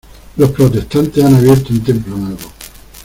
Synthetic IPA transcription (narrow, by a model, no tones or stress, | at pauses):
lospɾot̪est̪ant̪esanaβjeɾt̪oent̪emplonweβo